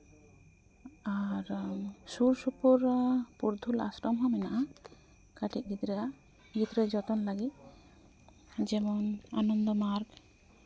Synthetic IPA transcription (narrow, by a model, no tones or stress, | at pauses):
aɾsuɾsupuɾpuɾd̪ʱula̰sɾɔmɦɔmɛnaʔa | kaʈit̪̚ɡit̪ɾa | ɡid̪ɾɛd͡ʒɔt̪ɔnlaɡit̪̚ | d͡ʒɛmɔnanɔnd̪ɔmaɾɡ